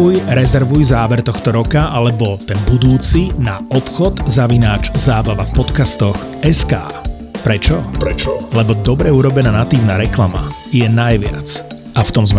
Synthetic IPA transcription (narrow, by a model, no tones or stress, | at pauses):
ujɾɛzɛɾʋujzaːʋɛɾt̪ɔxt̪ɔɾɔkaʔalɛbɔt̪ɛnbud̪uːt͡sinaɔpxɔd̪zaʋinaːt͡ʃzaːbaʋafpɔt̪kast̪ɔx | ɛska̰ː | pɾɛt͡ʃɔ | lɛbɔd̪ɔbɾɛuɾɔbɛnaːnat̪iːʋnaːɾɛklama̰ | jɛnajʋɪa̰t͡s | ʔaft̪ɔmzm